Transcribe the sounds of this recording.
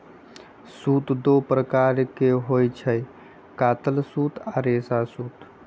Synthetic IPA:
sut̪d̪opɾəkaɾkeɦojt͡ʃʰəj | kat̪əlsut̪ʰaɾesasut̪

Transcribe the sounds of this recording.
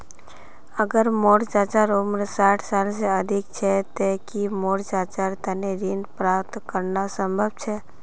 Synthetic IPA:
əɡəɾmoɽd͡ʒat͡ʃaɾumɾsaʈʰsalseəd̪ʱikt͡ʃʰɛt̪ekimoɽd͡ʒat͡ʃaɾt̪əneɾinpɾapt̪kəɾnasəmbʱəb̚t͡ʃʰɛ

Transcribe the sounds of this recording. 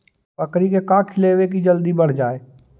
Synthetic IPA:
pəkɾikekãːkʰɪleːʋek̬id͡ʒəld̪ibəɽ̤d͡ʒaːeː

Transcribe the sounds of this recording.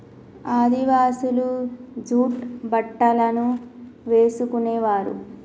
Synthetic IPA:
aːd̪iʋaːsulud͡ʒuːʈbɐʈːɐlɐnuʋeːsukuneːʋaːɾṵ

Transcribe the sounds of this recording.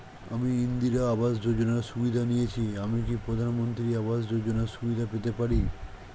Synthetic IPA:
amiind̪iɾaabasd͡ʑod͡ʑonaɾʃubid̪ʱanijet͡ɕʰiamikipɾod̪ʱanmont̪ɾiaβasd͡ʑod͡ʑonaɾʃubid̪ʱapet̪epaɾi

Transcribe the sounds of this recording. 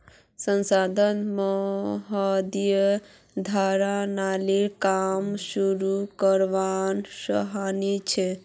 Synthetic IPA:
sənsad̪ʱənmɔɦəd̪jə | d̪ʱaɾanalikamsuɾukəɾʋansə̰ɦanit͡ʃʰɛ

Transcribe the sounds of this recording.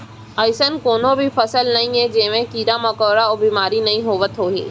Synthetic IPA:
ɐɪsənkoːnõbʱifɐsəlnɐɦĩɦɛd͡ʒeːmẽkiːɾamɐkɔːɾaɔːbiːmaːɾinɐɦĩɦoːʋət̪ɦoːɦḭː

